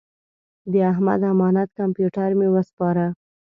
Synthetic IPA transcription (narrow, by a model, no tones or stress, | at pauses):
d̪əaɦma̰d̪amɑnat̪kampjuʈaɾmewəspɑɾa